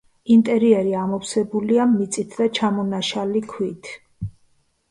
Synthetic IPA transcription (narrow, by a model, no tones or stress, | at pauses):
int̪ʼɛɾiɛɾiamɔpsɛbuliamit̪sʼit̪ʰd̪at͡ʃʰamɔnaʃalikʰwit̪ʰ